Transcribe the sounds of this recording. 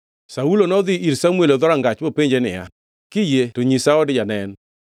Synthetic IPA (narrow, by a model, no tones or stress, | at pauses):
saulonɔðɪʔiɾsamweloðɔɾaŋɡat͡ʃbopeɲd͡ʒenɪ̰ja̰ | kɪjetoɲisaɔdɪd͡ʒanɛn